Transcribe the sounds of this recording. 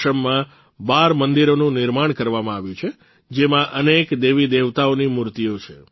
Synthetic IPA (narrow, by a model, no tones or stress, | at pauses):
əmːã | baɾmənd̪iɾonũnɪɾmaɳ̃kəɾʋamãaʋjũt͡ʃʰe | d͡ʒemãʔənekd̪eʋid̪eʋt̪aonimuɾt̪ijot͡ʃʰe